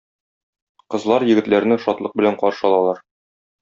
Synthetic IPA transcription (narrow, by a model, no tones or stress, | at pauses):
qɤ̆zlˠɑɾjɘ̆ɡɘ̆t̪læɾnɘʃɒt̪lˠɤq̚bɘ̆læɴqɒɾʃɤ̆ɒlˠɑlˠɑɾ